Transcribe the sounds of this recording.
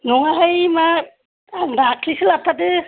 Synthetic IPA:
nɔŋaɦajma | dakʰlisɯlapʰadɯ

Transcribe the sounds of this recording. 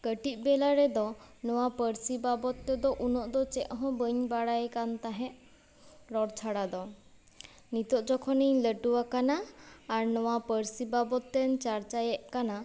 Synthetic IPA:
kəʈit̪̚ˀbɛlaɾɛd̪ɔnɔwapəɾsibabɔt̪ːɛd̪ɔʔunɔʔd̪ɔt͡ʃɛʔ̚ɦɔ̃bəɲbaɽajkant̪aɦɛ̃ʔ | ɾɔɽt͡ʃʰaɽad̪ɔ | nit̪ɔʔ̚d͡ʒɔkʰɔniɲləʈuwakanaːɾnɔwapəɾsibabɔt̪ːɛnt͡ʃaɾt͡ʃajɛʔkana

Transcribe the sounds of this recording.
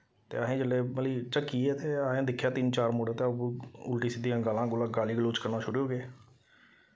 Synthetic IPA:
t̪ḛːaːɦẽːd͡ʒəlːeːməliːt͡ʃəkːiːɛːt̪eːaːɦẽːd̪ɪkʰːjaːt̪ɪnt͡ʃaːɾmoːɽeːt̪eːəbʊlʈiːsɪd̪ijãːɡəlãːɡʊlãːɡaːliːɡluːt͡ʃkəɾnaːʃʰʊɽːɦoːɡeː

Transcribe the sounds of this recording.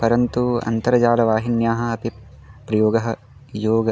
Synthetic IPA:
pɐɾɐnt̪uɐ̰nt̪ɐɾɐd͡ʒaːlɐʋaːɦinjaːɦɐ̆ɐpi | pɾɐjoːɡɐɦɐ | joːɡɐ

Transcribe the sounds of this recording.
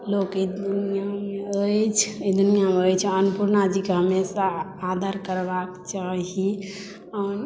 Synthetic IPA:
lokid̪unijameəjt͡ʃʰid̪unijameəjt͡ʃʰɛənpuɾnad͡ʒikeɦəmesaː | d̪ʱəɾkəɾbakt͡ʃaɦi | aɾ

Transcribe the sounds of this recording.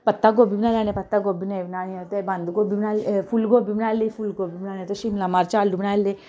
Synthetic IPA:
pət̪ːaɡobibnaːlanẽpɐt̪ːaɡobineʋnaːniot̪eband̪uɡoːbibnalfulɡoːbimnalifulɡoːbimnaːnẽt̪əʃimlamaɾt͡ʃaːldubnalːe

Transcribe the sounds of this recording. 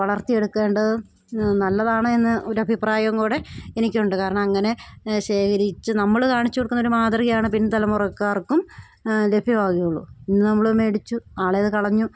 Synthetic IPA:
ʋɐɭɐrt̪ije̞ɽukːe̞ːɳɖɐðɨ | nɐlːɐðaːɳɨenːɨʔo̞ɾuɐbʱipraːjɐŋɡuːɽe̞enikʲːuɳɖɨkaːɾɐɳɐmɐŋːɐne̞ɕe̞ːkʰɐɾit͡ɕːɨnɐmːɐɭkaːɳit͡ɕːukoɽkːunːoɾumaːd̪rɐɣɐjaːɳɨpinːt̪ɐlɐmurɐkːaːrkːum | le̞bʱjɐʋaːkijuɭːṵinːɨnɐmːɐɭme̞ːɽit͡ɕːuaːɭejɐðɨkɐɭɐɲːu

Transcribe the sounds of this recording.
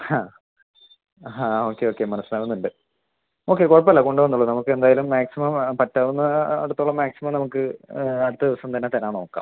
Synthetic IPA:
haː | ɦãːoːkːeo̞ːkːe̞mɐnɐsːɐnaːʋunːuɳɖɨ | o̞ːkːe̞koɻɐp̬ːɐlːɐko̞ɳɖuʋɐnːuɭɐðɨnɐmukːɨe̞nd̪aːjalumːaːksimɐmpɐtːɐːʋunːɐɐ̰ɽut̪ːuɭːɐmaːksimɐmnɐmukːɨɐɽut̪ːɐðiʋɐsɐmt̪ɐnːet̪ɐnːaːno̞ːkːa̰ːm

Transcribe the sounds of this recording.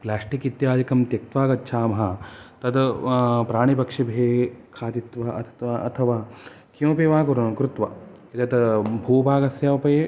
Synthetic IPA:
plaːʂʈikit̪jaːd͡ʒikɐmt̪jɐk̚t̪ʋaːɡɐtːʃʰaːmɐɦɐt̪ɐd̪pɾaːɳipɐkʂibʱeːkʰaːt̪it̪ʋɐʔɐt̪ʰt̪ʋaɐt̪ʰɐʋaː | kjõːpeːʋaːkuɾɐnɐkɾut̪ʋɐ | it̪ɐt̪bʱuːbʱaːɡɐsjaːʋɐpɐje

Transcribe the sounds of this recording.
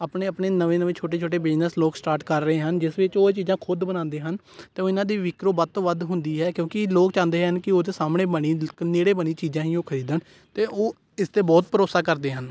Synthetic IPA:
aːpɳeːəpɳeːnəʋẽːnəʋẽːt͡ʃʰoːʈ̬eːt͡ʃʰoːʈ̬eːbɪd͡ʒnəsloːksʈaːɾʈkəɾːəɦeːɦənd͡ʒɪsʋɪt͡ʃoːet͡ʃiːzãːkʰʊd̪bənãːnd̪eːɦən | t̪eːoːɪnãːd̪iːʋɪkɾoːbəd̪t̪oːʋəd̪ɦʊnd̪iːɦɛːkjõːkɪloːkt͡ʃãːnd̪eːɦənkɪoːd̪eːsaːmɳeːbəɳiːneːɽeːbəɳ̃iːt͡ʃiːd͡ʒãːɦĩːoːkʰəɾiːd̪ən | t̪eːʔoː | ɪst̪eːbɔːt̪̚pəɾoːsaːkəɾd̪eːɦən

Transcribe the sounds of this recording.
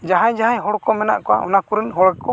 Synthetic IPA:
d͡ʒaɦajd͡ʒaɦaɲɦɔɽkɔmɛna̰ʔkɔa̰ʔɔ̰nakuɾinɦɔɽkɔ

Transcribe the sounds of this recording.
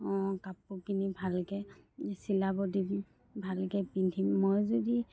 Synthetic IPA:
ɔ̃kapukinibʱalkɛsilabɔdim | bʱalkɛpindʰʱimːojzodi

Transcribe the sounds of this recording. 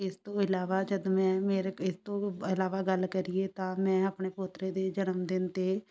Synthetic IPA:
ɪst̪õːɪlaːʋaːd͡ʒəd̪mɛ̃ːmeːɾɪst̪õːɪlaːʋaːɡəlkəɾieːt̪ãːmɛ̃ːəpɳeːpʊt̪ɾeːd̪eːd͡ʒənəmd̪ɪnt̪eː

